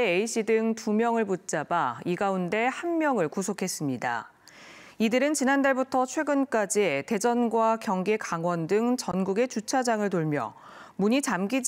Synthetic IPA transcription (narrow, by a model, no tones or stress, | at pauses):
eeiɕ͈idɯŋtumjʌŋɯɭput̚t͡ɕ͈abaiɡaunde̞hanmjʌŋɯɭkusʰokʰe̞s͈ɯmɲida̰ | idɯɾɯnt͡ɕinandaɭbutʰʌt͡ɕʰwe̞ɡɯnk͈ad͡ʑiete̞d͡ʑʌnɡwakjʌŋɡe̞kaŋwʌndɯŋt͡ɕʌnɡuɡe̞t͡ɕut͡ɕʰad͡ʑaŋɯɭtoɭmjʌ̰ | muɲit͡ɕamɡid͡ʑ